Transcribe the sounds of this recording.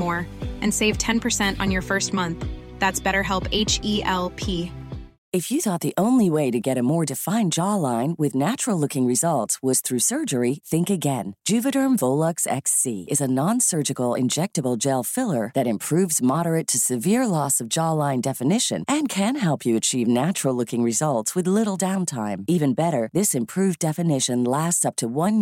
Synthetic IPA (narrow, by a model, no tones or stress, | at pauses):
ɔɹʔɨ̃nseɪv̥tʰɛ̃npʰə˞sɛ̃ntn̩jə˞fɜ˞st̚mʌ̃nθ | ðætsb̥ɛɾə˞ɦɛlˠpeɪt͡ʃiɛlˠpʰi | ɨfjɨθɔt̪̚ðiʔõʊ̃nliweɪɾɨɡɛɾɨmɔɹdɨfãɪ̃nd͡ʒɔlãɪ̃nwɨðnæt͡ʃɹ̥l̩ˠlʊkɪ̃ŋɹɨzʌlˠtswʌz̥θɹʉsɜ˞d͡ʒə˞iθɪ̃ŋkɨɡɛ̃nd̥ʒ̥ʉvɨɾə̃˞ɱvoʊlˠʌksɛ̰ksḭɨzɨnɑ̃nsɜ˞d͡ʒɨkl̩ˠɪ̰̃nd͡ʒɛk̚tɨbl̩ˠd͡ʒɛlˠfɪlˠə˞ðɨɾɨ̃mpʰɹ̥ʉvzmɑɾə˞ɨtʰɨsɨvɪɹlɔsʌvd͡ʒɔlãɪ̃ndɛfɨnɪʃɨ̰̃nʔɨ̃nkʰɨ̃nɦɛlˠpʰjɨɨt͡ʃʰivnæt͡ʃɹl̩ˠlʊkɪ̃ŋɹɨzʌlˠtswɨðlɪɾl̩ˠdãʊ̃ntʰãɪ̃mivɨ̃nbɛɾə˞ðɪsɨ̃mpʰɹ̥ʉvdɛfɨnɪʃɨ̃nlæstsʌp̚tʰəwʌ̃n